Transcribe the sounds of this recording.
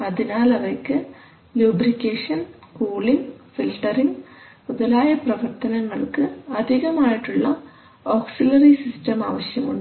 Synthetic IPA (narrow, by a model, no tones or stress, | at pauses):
ɐðinaːlɐʋɐkːɨ | lubrikʲːeːʂɐnkuːɭimfilʈːɐrim | uðɐlaːjɐprɐʋɐrt̪ɐnɐŋːɐɭkɨɐd̪ʱiɣɐmaːjiʈːuɭːɐ | oːksilɐrisistɐmaːʋɐɕjɐmuɳɖɨ